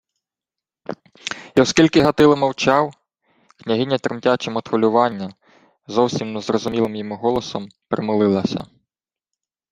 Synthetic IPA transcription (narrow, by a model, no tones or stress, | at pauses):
iɔskʲilʲkɪɦɐt̪ɪlˠɪmɐwt͡ʃɑw | knʲɐɦɪnʲːɐt̪ɾɪmtʲat͡ʃɛmɔt̪xʊlʲʊʋɑnʲːɐ | zɔwsʲimnzrɔzʊmʲilˠɪmjɔmuɦɔlˠɔsɔmpɾemɪlˠɪlˠɐsʲɐ̰